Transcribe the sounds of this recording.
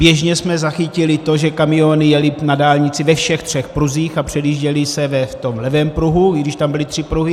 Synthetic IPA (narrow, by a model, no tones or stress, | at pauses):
bjɛʒɲɛsmɛzaxɪcɪlɪt̪o̞ʒɛkamɪonɪjɛlɪnadaːlɲɪt͡sɪvɛfʃɛxt̪r̝̥ɛxpɾuziːxapr̝̥ɛdiːʒɟɛlɪsɛvɛt̪o̞mlɛvɛːmpɾuɦuɡdɪʃt̪ambɪlɪt̪r̥ɪpɾuɦɪ